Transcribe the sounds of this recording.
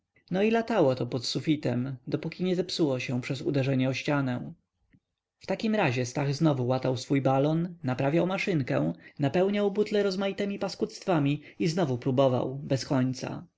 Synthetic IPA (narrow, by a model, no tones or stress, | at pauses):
nɔilat̪awɔt̪ɔpɔt̪sufʲit̪ɛmd̪ɔpukʲiɲɛzɛpsuwɔɕɛ̃pʂɛzṵd̪ɛʐɛɲɛɔɕt͡ɕanɛ | ft̪akʲimɾaʑɛst̪aɣznɔvuwat̪awsfujbalɔnːapɾavʲjawmaʂɘŋkɛ̰̃w̃napɛwɲawbut̪lɛɾɔzmajit̪ɛmʲipaskut̪st̪famʲi | iznɔvupɾubɔva̰wbɛskɔɲt̪sa̰